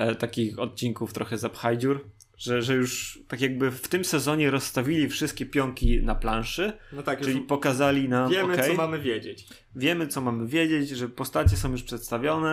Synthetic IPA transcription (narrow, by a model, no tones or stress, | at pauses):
t̪akʲixɔt̪̚t͡ɕiŋkuft̪ɾɔxɛzapxajd͡ʑuɾ | ʐ̥ɛʐɛjuʂt̪akʲjaɡ̚bɘft̪ɘmsɛzɔɲɛɾɔsːt̪avʲilʲifʂɨst̪̚kʲɛpʲjɔŋkʲinaplãnʂɘnɔt̪akʈ͡ʂɘlʲipɔkazalʲinamɛmkɛjmamɘvʲjed͡ʑet͡ɕ | vʲjɛmɘt̪sɔmamɘvʲjed͡ʑet͡ɕʐɛpɔst̪at͡ɕɛsɔ̃w̃juʂpʂɛt̪st̪avʲjɔnɛ